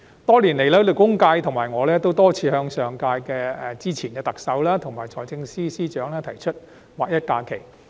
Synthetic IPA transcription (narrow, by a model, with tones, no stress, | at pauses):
t̪ɔː˥liː˨˩nle˨˩jlɐː˥lɵ˨˩kʊ˥ŋkaː˧jt̪ʰʊ˨˩ŋmaː˨˩jŋɔː˨˧lɛː˥t̪o˥wt̪ɔː˥t͡sʰiː˧hœː˧ŋsœː˨˧ŋkaː˧jkɛː˧ɛ˨t͡siː˥t͡sʰiː˨˩nkɛː˧t̪ɐ˨k̚sɐ˨˧˥wlaː˥t̪ʰʊ˨˩ŋmaː˨jt͡sʰɔː˨jt͡sɪ˧ŋsiː˥siː˥t͡ʃœː˨˥ŋlɛː˥t̪ʰɐ˨˩jt͡ʃʰɵ˥t̚ | waː˨˩k̚jɐ˥t̚kaː˧kʰe˨˩j